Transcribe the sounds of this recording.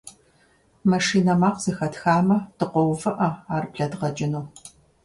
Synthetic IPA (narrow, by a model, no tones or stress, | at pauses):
mɐʂiːnɐmaːqz̥ɨxɐtxaːmɐtɨqʷɔwvɐʔɐaːrbɬɐdʁɐd͡ʒʼɪnuː